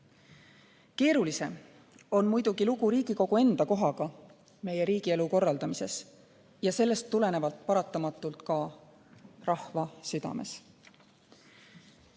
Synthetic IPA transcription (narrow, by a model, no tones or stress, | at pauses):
ke̞ːɾulise̞m | o̞nmujd̪̥uɡ̥iluɡuɾiːɡ̥iko̞ɡ̥ue̞nd̪̥ɑko̞ɦɑɡ̥ɑ | me̞je̞ɾiːɡ̥ieluko̞rːɑld̪ɑmise̞s | jɑse̞lːe̞st̪ːule̞ne̞vɑlt̪̚pɑɾɑt̪ːˑɑmɑt̪ːˑult̪kɑ | rɑhvɑsyd̪̥ɑ̰me̞̰s